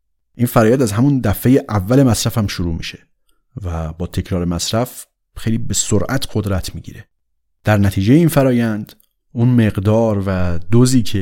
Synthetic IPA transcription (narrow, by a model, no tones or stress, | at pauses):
ʔinfæɾɒːjænd̪æzɦæmund̪æfejeʔævːæle̞mæsɾæfhæmʃoɾuːmḭːʃe̥ | væbɒːt̪ʰe̞cʰɾɒːɾemæsɾæf | xejliːbe̞soɾʔæt̪ʰɢ̥o̞d̪ɾæt̪ʰmiːɟḭːɾe̞ | d̪̥æɾnæt̪ʰiːd͡ʒejeiːnfæɾɒːjænd̪ | unme̞ɣd̪ɒːɾvæd̪oziːcʰe